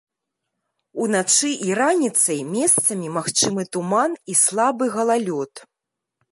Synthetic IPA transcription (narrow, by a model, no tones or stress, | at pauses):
unat͡ʂɨʔiɾanʲit̪sɐjmʲɛst̪sɐmʲimaxt͡ʂɨmɨt̪umanislˠabɨɣɐlˠalʲɔt̪